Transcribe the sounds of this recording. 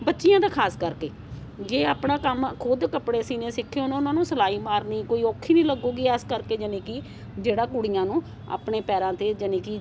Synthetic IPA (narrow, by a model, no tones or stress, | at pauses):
bətːʃɪjãːd̪aːkʰaːskəɾkeː | d͡ʒeːaːpɳãːkəmkʰod̪kəpɽeːsiːnẽːsɪkʰːeːʊnːʊnãːnũːsəlaːiːmaːɾniːkoːiːoːkʰːiːnĩːləɡuːɡiːɛːskəɾkeːd͡ʒənẽːki | d͡ʒeːɽaːkuɽɪjãːnũː | a̰ːpɳeːpɛːɾãːt̪eːd͡ʒənẽːki